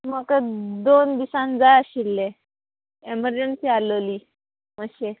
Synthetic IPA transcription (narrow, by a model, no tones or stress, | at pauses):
məkəd̪ond̪isãnd͡zajaɕilːe | eməɾd͡ʑənsialəli | məɕe